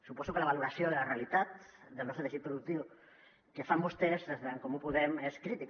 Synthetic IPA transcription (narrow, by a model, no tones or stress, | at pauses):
supɔsukelaβaluɾasjoðəlarealit̪at̪̚d̪əlnɔst̪ɾt̪eʃit̪̚pɾuðuk̚t̪iw | kefambust̪ezðezðeŋkomupuðɛmeskɾit̪ik